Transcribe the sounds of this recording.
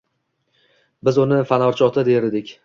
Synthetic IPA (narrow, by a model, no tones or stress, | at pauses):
bɪzʊnɪfanɒɾt͡ʃʰɒt̪ʰɪd̪eɾɪd̪ɪkʲ